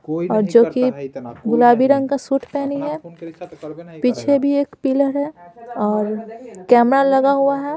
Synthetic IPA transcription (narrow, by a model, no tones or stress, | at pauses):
ɔːɾd͡ʒoːkiɡʊlaːbiɾɐ̃ŋɡkasuːʈʰpɛːniɦɛ | piːt͡ʃʰebʱieːkpiːləɾɦɛɔːɾkɛːmɾalɐɡaɦuaɦɛ